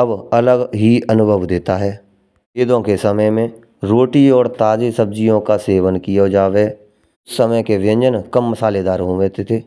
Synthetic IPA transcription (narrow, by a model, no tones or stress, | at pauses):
əbɐləɡɦiənʊbʱəʋd̪eːt̪aɦɛː | eːd̪õkesəməjmẽ | ɾoːʈiɔːɾt̪aːd͡ʒesəb̚d͡ʒijõkaseːʋənkijad͡ʒaːʋe | səməjkeʋɪə̃ɲd͡ʒənkəmːəsaːled̪aːɾɦõʋeːt̪et̪ʰeː